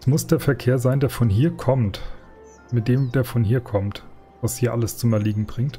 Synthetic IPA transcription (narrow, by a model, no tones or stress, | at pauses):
smʊsd̥eːɐfɛɐkʰeːɐzaɪndeːɐfɔnɦiːɐkʰɔmt | mɪt̚d̥eːmd̥eːɐfɔnɦiːɐkʰɔmt | vashiːɐʔaləst͡sʊmɛɐliːɡŋ̩bʁɪŋt